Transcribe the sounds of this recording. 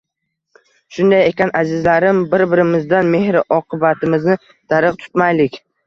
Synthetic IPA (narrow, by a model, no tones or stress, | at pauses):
ʃʊnd̪aje̞kʲanʔazɪzlaɾɪmbɪɾbɪɾɪmɪzd̪anme̞hɾɪʔɒqʰɨbat̪ʰɪmɪznɪ | d̪̥aɾɨq̚t̪ʰʊ̥t̪majlɪkʲ